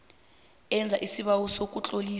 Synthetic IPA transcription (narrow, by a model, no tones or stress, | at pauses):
ɛnd͡zʱaʔisiɓawɔsok̬ʼut͡ɬʼoliː